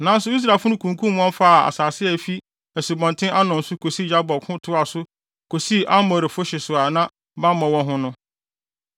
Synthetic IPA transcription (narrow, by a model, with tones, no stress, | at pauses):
nã˦n˦sʊ˨˦i˦s̬ɾa˨fʊ˦ʊ̃˦kʰũ˨ŋ˨kʰũ˦m̃˦ɔ̃˦m˦fa˦˨a̰˨saː˨sɪ˦ɛ˨fi˦ | æ˨si˨bɔ̃˨ntʰɪ̃˦ʔa˦nɔ̃˨n̩˨sʊ˦kʰo˨si˦d͡ʑa˦bɔ˨kʰʊ̃˦tʰʊ˦a˨sʊ˦ | kʰo˨si˦ʔa˦mɔ̃˨ɾɪ˨fʊ˦ɕɪ˨sʊ˨a˨nã˦ | bã˦mã˨wɔ̃˦ɦʊ̃˦nʊ̃˦